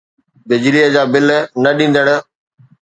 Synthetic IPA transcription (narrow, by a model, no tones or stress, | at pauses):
bɪd͡ʑɪlijəd͡ʑaːbɪlnɐɗĩːn̆d̪əɽ̃ʊ̆